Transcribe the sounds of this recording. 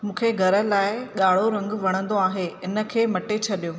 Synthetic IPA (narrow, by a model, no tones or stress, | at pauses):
mũːkʰeɡʱɐɾə̆laːɪɠaːɭoɾɐ̃ŋɡʋɐɽ̃ə̃nd̪oaːɦeɪnə̆kʰeːmɐʈet͡ɕʰɐɗijoː